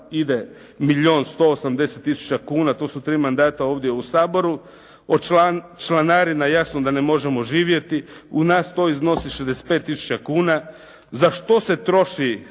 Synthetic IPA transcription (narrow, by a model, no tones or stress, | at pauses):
id̪e | miʎʲoːnst̪o̞ːsamd̪e̞set̪ːisu̥t͡ɕakuːnat̪o̞ːsut̪ɾiːmand̪aːt̪ao̞ːʋd̪je̞usaːbo̞ɾu | ot͡ʃat͡ʃlanaːɾimajasnod̪anemo̞ʒemo̞ʒiːʋje̞t̪iunaːst̪o̞izno̞siʃezd̪ese̥t̪̚pet̪ːisu̥t͡ɕakuːna | zaʃt̪o̞se̞t̪ɾo̞ʃi